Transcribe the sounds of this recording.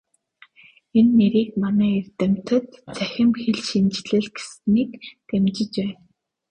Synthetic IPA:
enːeɾiːkmanæːert̪ɘ̆m̥t̪ə̆t̪t͡sʰæxʲɪ̆mxeɮʃint͡ɕɮɘ̆ɮɡe̥sniːkkemt͡ɕɪ̆t͡ɕpæːn

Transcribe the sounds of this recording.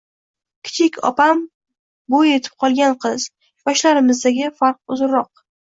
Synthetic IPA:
kʲʰɪ̥t͡ʃʰɪkʲʰɒ̰pam | boje̞t̪ʰɪ̥p̚qʰɒlˠɡʲanqʰɨz | bɒʃlaɾɪmɪzd̪aɡʲɪfaɾq̚ʊzɾːɒq̚

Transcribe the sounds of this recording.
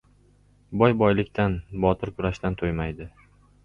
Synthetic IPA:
bɒjbɒjlɪkʲt̪ʰanbɒt̪ʰɪɾkʰʊɾaʃt̪ant̪ʰojmajd̪ɪ

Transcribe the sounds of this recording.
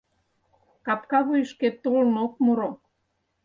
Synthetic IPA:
kɑpkɑβujʃket̪olnok̚muɾo

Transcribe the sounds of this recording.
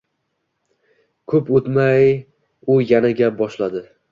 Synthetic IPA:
kʰɵpot̪maj | ʊjanaɡʲabɒʃlad̪ɪ

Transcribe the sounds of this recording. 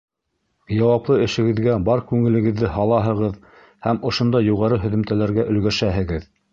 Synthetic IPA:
jɑwɑplˠɤɘ̆ʃɘ̆ɡɘ̆ðɡæbɑɾkʉŋɘ̆lɘ̆ɡɘ̆ðːɘhɑlˠɑɦɤ̆ʁɤð | hæmŏʃŏnd̪ɑjuʁɑɾɤɦɵ̆ðɘ̆mt̪ælæɾɡæʔɵ̆lɡæʃæɦɘ̆ɡɘð

